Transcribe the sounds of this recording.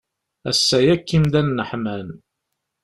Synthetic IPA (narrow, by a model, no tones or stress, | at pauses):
æ̰sːæjækːimd̪ænːəħmæn